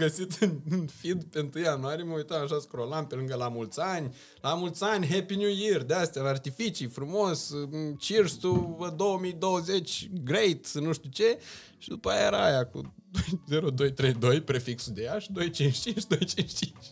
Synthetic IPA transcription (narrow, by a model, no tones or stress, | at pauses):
ɡəsit̪ɨnɨnfid̪peɨnt̪ɾɨjjanuaɾijeməujt̪amaʃ̬askɾo̞lampe̞lɨŋɡəlamult̪sʲanʲ | lamult̪sʲanʲɦepinjujird̪east̪ejalart̪ifit͡ʃijfɾumo̞st͡ʃirst̪uəd̪o̞wəmijd̪owəzet͡ʃʲɡɾejt̪nuʃt̪ʲut͡ʃe̞ | ʃid̪upajaaɾajakṵd̪ojzeɾod̪o̞jt̪ɾe̞jd̪o̞jpɾefiksud̪eaʃid̪o̞jt͡ʃint͡ʃt͡ʃint͡ʃd̪o̞jt͡ʃint͡ʃt͡ʃint͡ʃʲ